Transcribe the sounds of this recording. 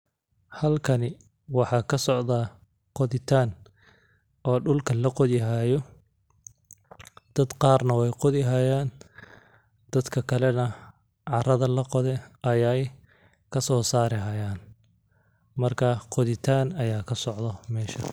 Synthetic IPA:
hɐlkʰɐnɪ | wɑħɑːkʰɐsɔʕd̪aː | qɔðɪt̪ʰaːn | ɔːɖʊlkʰɐlɐqɔðɪɦaːjɔ | d̪̥ɐd̪qɑːrnɐwɛjqɔðɪɦaːjaːn | d̪̥ɐd̪kʰɐkʰɐlɛnɐ | ʕɑrɐðɐlɐqɔðɛʔɐjaj | kʰɐsɔːsaːɾɪɦajaːn | mɐrkʰɐqɔðɪt̪ʰaːnɐjaːkʰɐsɔʕd̪ɔmɛːʃɐ

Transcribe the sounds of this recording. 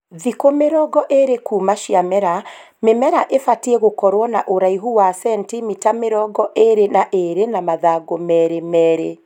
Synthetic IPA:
ðikomeɾɔɡɔʔeɾekuːmaʃiamɛɾa | memɛɾaʔefatiɛɣokɔɾwɔnaʔoɾaiɦuwasɛntimitameɾɔɡɔʔeɾenaʔeɾenamaðaɡomɛɾemɛːɾe

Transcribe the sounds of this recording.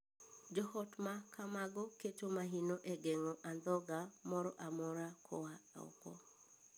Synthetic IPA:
d͡ʒɔhɔtmakʰamaɡɔketomaɦinoʔeɡeŋɔʔand̪ɔɡamɔɾɔʔamɔɾakʰɔaɔ̰kɔ̰

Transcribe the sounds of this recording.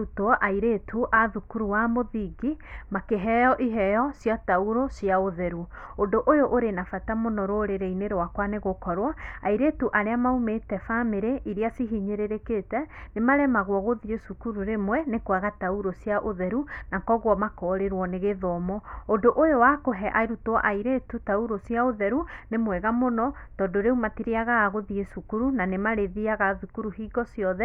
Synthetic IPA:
utɔʔaiɾetʰuʔaðukuɾuwamoðiɡimakeɦɛjɔʔiɦɛjɔsjɔtauɾosjaoðɛɾuondoʔojoʔoɾenafatamonɔɾoɾeɾeineɾowakwaneɣokɔɾwaaiɾetuʔaɾeamaumetɛfameɾeʔiɾiasiɦiɲeɾeɾeketɛnemaɾɛmaɣwɔɣoðiɾesukuɾuɾemwɛnekwaɣatauɾosiaʔoðɛɾunakɔɣwɔmakɔɾeɾwɔneɣeðɔːmɔondoʔojowakoɦɛʔaeɾutoɔʔaiɾetutauɾosiaoðɛɾunemwɛɣamonɔtɔːdoɾeumatiɾeaɣaːɣoðiesukuɾunanemaɾeðiaɣaðukuɾuɦiːɡɔsiɔðɛ

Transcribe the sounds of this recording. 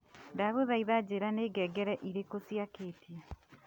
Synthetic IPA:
ndaβoðaiðad͡ʑeːɾaneːɡɛːɡɛɾɛʔiɾekosiakeːtia

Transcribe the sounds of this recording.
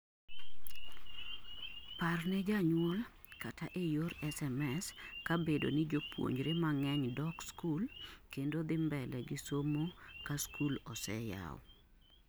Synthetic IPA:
parnɛd͡ʒaɲwɔl | katʰaʔejoɾɛsɛmɛskabedo̰nɪd͡ʒopwo̰ɲd͡ʒɾemaŋɛɲdɔkskulkendod̪ɪmbɛlɛɡɪsomokaskulɔsɛ̰ja̰w̰

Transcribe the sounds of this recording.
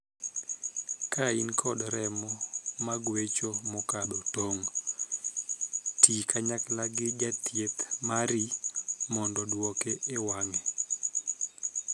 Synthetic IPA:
kainkʰɔdɾɛmɔmaɡwet͡ʃomɔkabotoŋ | tikʰaɲaklaɡɪd͡ʒatʰjet̪maɾimɔndɔdwɔkeewaŋɛ

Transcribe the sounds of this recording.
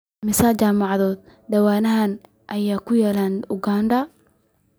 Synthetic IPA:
mɪsaːt͡ʃaːmɑʕðɔːd̪̚dɐwaːnɐɦan | ʔɐjaːkʰʊjɛːlaːnʊɡaːnɖ̪ɐ

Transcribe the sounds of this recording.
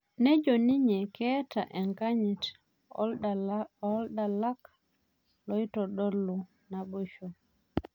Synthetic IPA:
nɛd͡ʒoniɲɛkɛːta̰ʔɛŋkaɲit | ɔlɗalak | lɔjtɔɗolːu | nabuʃu

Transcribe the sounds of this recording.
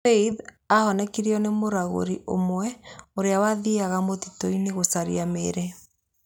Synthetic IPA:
eið | ahɔnɛkiɾiɔnemoɾaɣo̰ɾiʔo̰mwɛoɾeawaðiaɣamotitɔineɣosaɾḭameɾɛ

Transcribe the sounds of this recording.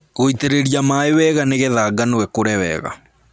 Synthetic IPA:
ɣoiteɾeɾijamaewɛɣaneɣɛðaːɡanoɛkoɾɛwɛ̰ɣa̰

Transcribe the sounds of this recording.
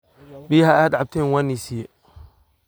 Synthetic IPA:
biːɦɐaːd̪ʕɑb̚t̪ʰɛːnwaːnːisijɛ

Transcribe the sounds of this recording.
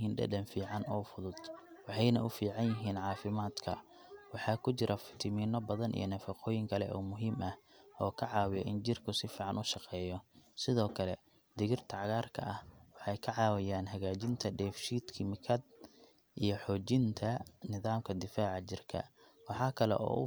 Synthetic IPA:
iːnɖɐ̰dɐnfiːʕɑnɔːfʊðʊd̪̥wɑħɑjnɐʊfiːʕɑnjɪɦiːnʕɑːfɪmaːd̪kʰɐ̰ | wɑħɑːkʰʊt͡ʃɪɾʔɐfɪ̥t̪ʰɪmiːnɔbɐðɐnʔḭjɔnɐfɐqɔːjɪŋkʰɐlɛ̰ʔɔ̰ːmʊɦiːmʔɐhʔɔːkʰɐʕɑːwɪjɔʔɪnd͡ʒɪrkʰʊsɪfiːʕɑnʊʃɑqɛːjɔsɪðɔːkʰɐlɛ | d̪̥ɪɣɪrt̪ʰɐʕɑɣaːrkʰɐ̰ʔɐhwɑħɑjkʰɐʕɑːwɪjaːnɦɐɣaːt͡ʃɪnt̪ʰɐɖɛːfʃiːd̪kʰɪmɪkʰɐd̪̚ | ʔijɞħɔːt͡ʃɪnt̪ʰɐnɪðaːmkʰɐd̪ɪfaːʕɑt͡ʃɪrkʰɐ̰ | wɑħɑːkʰɐlɛ̰ʔɔ̰ːʊ

